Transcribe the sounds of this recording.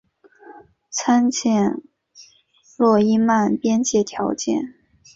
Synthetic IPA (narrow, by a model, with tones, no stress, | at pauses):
t͡sʰa˥nt͡ɕʰjɛ˥˩n | lwɔ˥˩i˥ma˥˩npjɛ˥nt͡ɕjɛ˥˩t̪ʰjɑ˧˥ʊt͡ɕjɛ̰˥˩n